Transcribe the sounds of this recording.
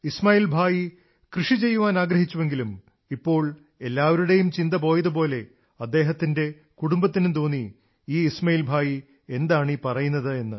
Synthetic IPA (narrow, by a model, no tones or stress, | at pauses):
ismaːiːlbʱaːji | krɨʂit͡ɕe̞jːuʋaːnaːɡɾɐɦit͡ɕːuʋe̞ŋɡilum | ipːo̞ːɭ | e̞lːaːʋɐɾuɽe̞jumt͡ɕind̪ɐp̬o̞ːjɐðɨp̬o̞ːle̞ | ɐd̪ːe̞ːɦɐt̪ːinde̞ | kuɽumbɐt̪ːinumt̪oːnːi | iːsmɐjiːlbʱaːji | e̞nd̪aːɳipɐrɐjunːɐðɨe̞nːɨ